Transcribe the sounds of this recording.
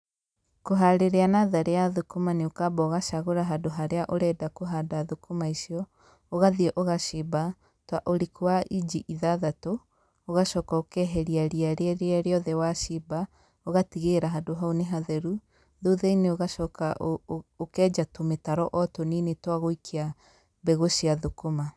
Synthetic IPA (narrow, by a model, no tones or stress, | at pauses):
koɦaɾeɾeanaðaɾeaðokomaneokabɔːɣaʃaɣoɾaɦadoɦaɾeaʔoɾɛːdakoɦadaðokomaisiɔ | oɣaðiɛʔoɣaʃeba | twaʔoɾikʰowaʔid͡ʒiʔiðaðato | oɣaʃɔːkaokɛɦɛɾiaɾiaɾeɛɾeaɾeɔðɛwaʃiba | oɣatiɣeɾaɦadoɦauneɦaðɛɾu | ðoðɛineoɣaʃɔːkaokɛːd͡ʒatometaɾɔʔɔtoninetwaɣoikʰea | bɛɣoʃiaðokoma